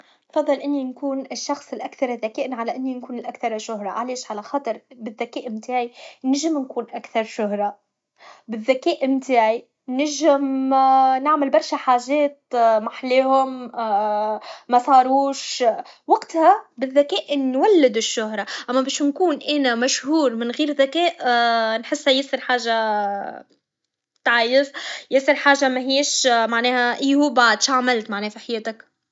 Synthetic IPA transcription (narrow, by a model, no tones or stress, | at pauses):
nfɑðˤːɑlʔɪnːinkuːnɪʃːɑxsˤɪlʔakθɑɾˤɪðːækɛːʔnʕalæʔɪnːinkuːnɪlʔakθɑɾˤʃʊhɾˤɑ̰ʕalɛːʃʕalæxɑːt̪ˤɨɾˤbɪðːakɛːʔɪmt̪aːʕinɪʒɪmnkuːnʔakθɑɾˤʃʊhɾˤɑ | bɪðːakɛːʔɪmt̪aːʕi | nɪʒɪm | nɪʕmɪlbɑɾˤʃaħaːʒɛːt̪̚maħleːhʊm | mæsˤɑːɾuːʃwaqt̪hæbɪðːækɛːʔnːwælːɪd̪ɪʃːʊhɾˤɑʔæmːæbɛːʃnkuːnʔæːnæmæʃhuːɾmɪnɣiːɾðækɛːʔnħɪsːhjɪsˤɪɾħaːʒa | t̪ʕajɪsjɪsˤɪɾħaːʒamæɦɪjːeːʃmaʕnɛːhæʔiːhuːbaʕd̪ʃʕmɪlt̪maʕnɛːfiħajɛːt̪ak